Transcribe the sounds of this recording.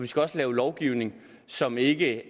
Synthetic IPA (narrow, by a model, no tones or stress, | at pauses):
ʋisɡ̥æɒ̽slɛːʊlɒʊɡ̥iʊne̝ŋ | sɒ̽me̝ɡ̥ə